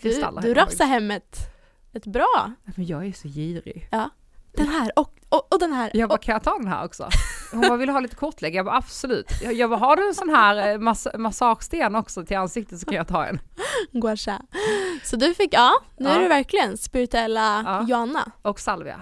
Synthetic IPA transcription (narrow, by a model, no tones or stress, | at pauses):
ɪɵa̰lːd̪ɵɾasaɦɛmːət̪ | ɛt̪bɾɑːamɛnjɑːɡæɾʂɔjiːɾɪ̰jɑː | d̪̥ɛnɦæːɾɔkɔɔd̪ɛnɦæːɾjɑːvakʰanjɑːt̪ʰɑːd̪ɛnɦæ̰ːɾɔ̰ksɔ̰hʊnbɑːvɪlːəhɑːliːt̪əkʰɔʈʰlɛɡːəjɑvaɾab̥sɔlʉ̟̰ːt̪jjɑːvaɦɑɖ̪ʉɛnsɔnɦæːɾmasmasɑːɧst̪eːnɔksɔt̪ʰɪlansɪkt̪ət̪sɔkkʰanjɑt̪ʰɑ̰ːɛ̰nɡwaʂasɔd̪ɵfɪkːɑːnʉʉːæɖɛvæɾklɪɡənspɪɾɪt̪ɵɛlːaɑjʊanːa̰ɔksalvɪ̰a̰